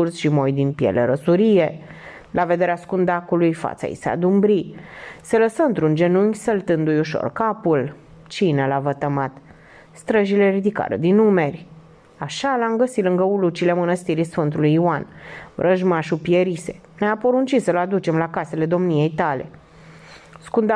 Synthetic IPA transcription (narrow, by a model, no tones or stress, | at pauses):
ursʃimo̞jd̪inpjḛlḛɾəsuɾije̞ | lʔave̞d̪e̞ɾeaskund̪akulujfa̰t̪sa̰ḭsea̰d̪umbɾiseləsəmt̪ɾund͡ʒe̞nuŋʲsəlt̪ɨnd̪ujuʃo̞̰rkapul | t͡ʃinelavət̪əmat̪ | st̪ɾəʒileɾid̪ika̰ɾə̰d̪inume̞rʲ | aʃalamɡəsit̪lɨŋɡəulut͡ʃile̞mənəst̪iɾisfɨnt̪ulujiuanvɾʔəʒmaʃupieɾise̞̰ | neapo̞ɾunt͡ʃisəlad̪ut͡ʃe̞mlakase̞le̞d̪o̞mnije̞jt̪ale̞̰ | skund̪